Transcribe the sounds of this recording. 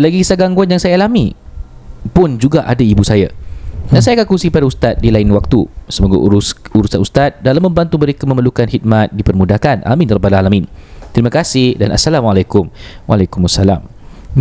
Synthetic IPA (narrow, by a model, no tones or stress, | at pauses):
laɡisaɡaŋɡuanjaŋsajaalami | pʊnd͡ʒuɡaʔadaibusajadansajakakusipadaust̪at̪̚dilainwak̚t̪usəmoɡa̰uɾusanust̪at̪̚dalamːə̃mbant̪uməɾekamə̃mərlukanhit̪̚mat̪̚dipərmudahkanʔa̰mĩnrɔbalaalamĩnt̪ɾimakasɪhdana̰salamalajkʊmwa̰lakumasala̰m